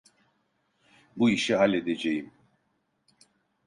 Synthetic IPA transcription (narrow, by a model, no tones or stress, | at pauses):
buiʃiɦalʲːed̪ed͡ʒejim